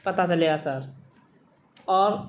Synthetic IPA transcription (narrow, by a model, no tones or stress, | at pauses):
pət̪at͡ʃəleɡasəɾ | ɔːɾ